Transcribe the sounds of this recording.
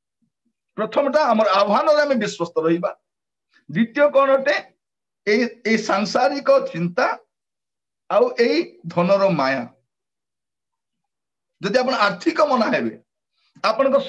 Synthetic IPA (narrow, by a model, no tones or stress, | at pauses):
pɾɔt̪ʰɔmɔʈaamɔɾɔabɔɦanɔɾeamebiswɔst̪ɔɾɔɦiba | d̪ɾit̪ijɔkɔɽ̃ɔʈe | eiːisaŋsaɾikɔt͡ʃint̪a | wʔeid̪ʱɔnɔɾɔmaja̰ | d͡ʒɔd̪iapɔɽ̃aɾt̪ʰikɔmɔnaɦebḛ | apɔɽ̃ɔŋkɔs